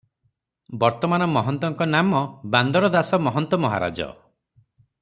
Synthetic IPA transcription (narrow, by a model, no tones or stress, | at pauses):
bɔɾt̪ɔmanɔmɔɦɔnt̪ɔŋkɔnamɔband̪ɔɾɔd̪asɔmɔɦɔnt̪ɔmɔɦa̰ɾa̰d͡ʒɔ̰